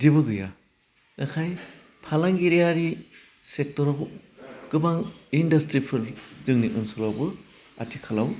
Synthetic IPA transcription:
dibɯɡɯja | nakʰaj | pʰalaŋɡiɾijaɾi | sek̚tɔɾɔbɯɡ̥ɯbaŋindɐstɾipʰɯɾzɯŋniʔɯnsulabɯ | a̰tʰikʰalaw

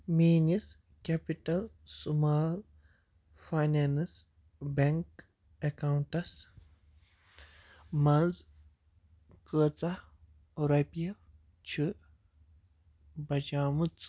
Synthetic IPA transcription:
miːnis | kepiʈɐl | sumaːl | fajnens | bɐŋk | ɐkawɳʈɐs | mɐnz | kəːt͡sa | ɾɐpiɐ | t͡ʃʰi | bɐd͡ʒaːmut͡s

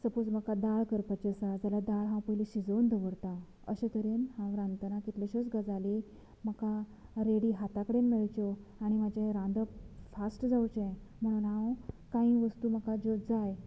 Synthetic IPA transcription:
səpod͡zm̤əkad̪aɭkəɾpat͡ɕəsad͡zalad̪aɭɦãwpəɦileɕid͡zond̪ʱəʋəɽt̪ã | ə̰ɕət̪əɾenhãwɾãnt̪ənakit̪leɕət͡sɡad͡zali | m̤əkaɾeɽiɦat̪akəɽenmeɭt͡ɕɔaɽ̃imad͡ʑeɾãnd̪əfasʈd͡zawt͡ɕẽm̤əɽ̃uːnɦãwkãĩʋəst̪uːm̤əkad͡ʑod͡zaj

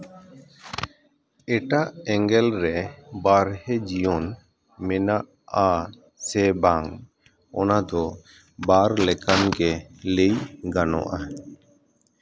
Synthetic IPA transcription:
ɛʈaʔɛŋɡɛlɾɛbaɾhɛd͡ʒijɔn | mɛnaʔ | a | sɛbaŋ | ɔnad̪ɔ | baɾlɛkanɡɛlejɡanɔ̰ʔa

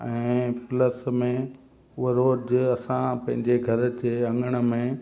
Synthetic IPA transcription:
ɛ̃ːpləsmẽ | ʊeɾoːd͡ʑɐsãpɐ̃ɦɪ̃ɲd͡ʑeɡʱɐɾ̆t͡ɕeɐ̃ŋəɽ̃ə̆mẽ

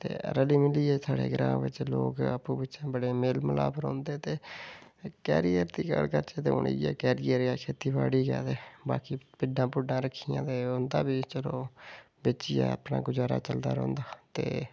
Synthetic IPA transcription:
t̪ḛːɾəliːmɪliːeːsʰaːɽḛːɡɾã̰ːʋɪ̰t͡ʃloːkəpũːbɪt͡ʃãːbəɽeːmeːlməla̰ːbɾɔ̰̃ːnd̪eːt̪eː | kɛ̰ːɾijəɾt̪iːkə̰ɾkəɾt͡ʃeːt̪eːʊ̰ɳḭːeːkɛːɾijəɾjaːkʰeːt̪iːbaːɽiːkɛ̰ːd̪eːbaːkiːpɪɖːãːpɪɖãːɾəkʰːijãːt̪eːʊːnd̪aːbiːt͡ʃəloː | bɪt͡ʃijã̰ːəpna̰ːɡʊd͡ʒaːɾa̰ːt͡ʃəld̪a̰ːɾɔ̃ːnd̪aːt̪eː

